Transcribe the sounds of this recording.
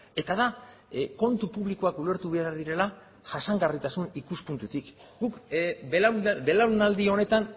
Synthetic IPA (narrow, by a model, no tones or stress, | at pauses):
e̞t̪aða | ko̞nt̪upuβliko̞akule̞ɾt̪uβe̞aɾðiɾe̞la | ʝ̥asaŋɡarit̪asunikuspunt̪ut̪ik | ɡuk | be̞laɾunald̪io̞ne̞t̪an